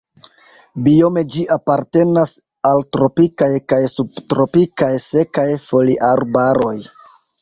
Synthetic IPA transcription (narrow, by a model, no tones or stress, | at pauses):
bio̞me̞d͡ʒiʔapaɾte̞nas | altɾo̞pikajkajsubtɾo̞pikajse̞kajfo̞liʔaɾbaɾo̞j